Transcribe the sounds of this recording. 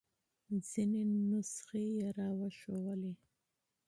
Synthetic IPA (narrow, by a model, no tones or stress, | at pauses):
zinenʊsχejaɾɑwaʃowali